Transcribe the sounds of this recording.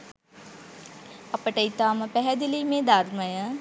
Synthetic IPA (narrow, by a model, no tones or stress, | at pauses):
ɐpəʈɐit̪aːmɐpɛɦɛd̪iliːmẽːd̪aːɾmɐjã